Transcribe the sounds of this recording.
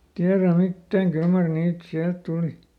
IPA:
tiæræ mitːæːŋ kyl mɑr niːt siælt tuˑli

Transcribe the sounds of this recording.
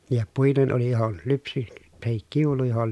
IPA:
jɑ puinen oli johon lypsi tɑhik kiulu johol

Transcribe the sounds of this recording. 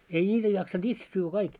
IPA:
ei nʲiːtæ jɑksɑnd̥ itse syːʋːæ kɑik

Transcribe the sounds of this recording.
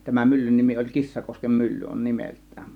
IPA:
tæmæn mylːyn nimi olʲ kisːɑkoskem mylːy on nimeltˑæ̥ːm̥

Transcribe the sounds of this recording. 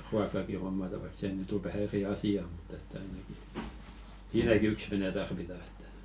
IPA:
ruɑkːɑki homːɑtɑ ʋɑik se nyˑt o ʋæhæ eri ɑsiɑ mu̥t etːæ ɑinɑki siːnæki yks ʋene tɑrʋitɑ e̥tːæ̥

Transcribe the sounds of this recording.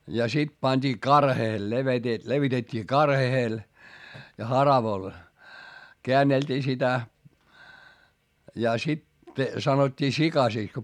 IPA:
jɑ sit pɑnʲd̥iː kɑrheːl leʋete leʋitetʲːiː kɑrhehel jɑ hɑrɑʋoĭl keænːeltʲiː sitæ jɑ sit sɑnotʲːiː sikɑsiˑks ko

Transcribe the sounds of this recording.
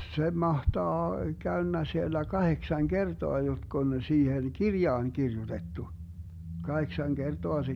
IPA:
se mɑhtɑː kæønːæ sielːæ kɑheksɑŋ kertoɑ jotk on siːhen kirjɑːn kirjutetːu kɑheksɑŋ kertoɑ se

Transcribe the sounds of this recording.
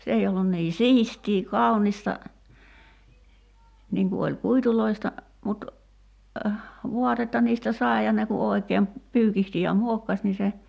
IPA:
se ei olːun niː siːstiː kɑunistɑ niːŋ ku olʲ kuituloistɑ mut ʋuɑtetːɑ niːstæ sɑi̞ jɑ ne ku oˑi̞keːm pyːkihti jɑ muokːɑs ni se

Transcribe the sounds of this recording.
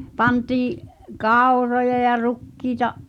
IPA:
pɑntiːʔ kɑˑurojɑ jɑ rukːiːtɑʔ

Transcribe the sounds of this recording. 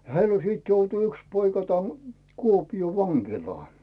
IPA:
heil o siːt joutu yks poikɑ tæn kuopioː ʋɑŋkilɑː

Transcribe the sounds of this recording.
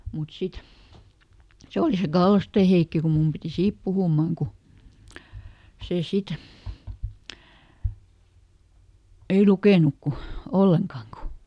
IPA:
mut sit se oli se ɡ̊ɑlːosteˑ heikːi ku mum piti siːp puhuˑmɑŋ ku seˑ sit ei lukeˑnuk ku olːeŋkɑːŋ ku

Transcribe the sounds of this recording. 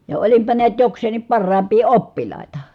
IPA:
jɑ olimpɑ niæt jokseːnˑim pɑrːɑːmpˑiː opːilˑɑˑitɑ

